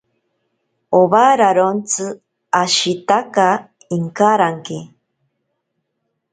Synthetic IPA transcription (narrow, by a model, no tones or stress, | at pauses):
oβaɾaɾont͡sɨ | aʃit̪aka | iŋkaɾaŋke